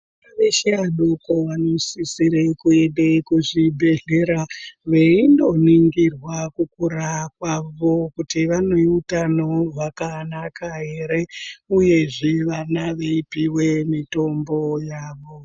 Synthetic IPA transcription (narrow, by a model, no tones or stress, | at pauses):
aʋeʃeaɗokoʋanosisiɾekueɗekuʐibʱe̞ɮe̞ɾaʋeindo̞niŋɡirwakukuɾakwaʋo̞kutiʋanoiutanoʋakanakaɦe̞ɾe̞uje̞ʐiʋanaʋeipiwe̞mito̞mbo̞jaːʋo̞